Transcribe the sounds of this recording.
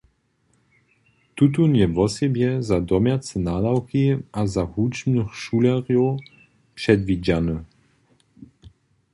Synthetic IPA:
t̪ut̪̬unjɛvɔsɛbjɛzad̪ɔmjat͡sɛnad̪awkiʔazahut͡ʃmnɨxʃulɛʁjɔ | pʂɛd̪vid͡ʑanə

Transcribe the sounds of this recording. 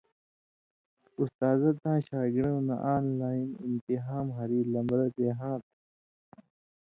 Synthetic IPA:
ust̪aːzɐt̪ãːɕaːɡiɾɐ̃ũna̰ʔaːnlaːinḭnt̪iɦaːmɦɐɾiːlɐmbɾɐt̪eːɦãːt̪

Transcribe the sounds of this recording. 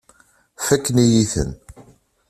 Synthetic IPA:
fækːnijiθə̰n

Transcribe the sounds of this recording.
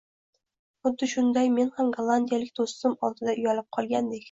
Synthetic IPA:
χʊd̪ːɪʃʊnd̪ɑjmenhamɡalˠːand̪ʲijalɪkʲd̪ost̪ɨmɒlˠd̪ɨd̪aʊjalɪp̚qʰɒlˠɡʲand̪ekʲ

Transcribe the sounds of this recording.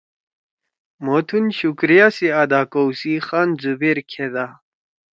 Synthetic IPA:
mot̪ʰunɕukɾijasiad̪aːkowsixanzubeɾkʰed̪a

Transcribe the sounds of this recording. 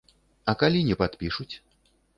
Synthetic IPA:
ɐkalʲinʲɛpat̪pʲiʂut͡sʲ

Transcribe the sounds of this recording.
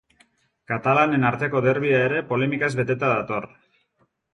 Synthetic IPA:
kat̪alane̞naɾt̪e̞ko̞ðe̞ɾβ̞iae̞ɾe̞po̞le̞mikazβe̞t̪e̞t̪aðat̪o̞r

